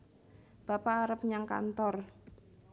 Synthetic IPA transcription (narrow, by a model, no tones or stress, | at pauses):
b̥apaːɾəp̚ɲaŋka̰nt̪ɔr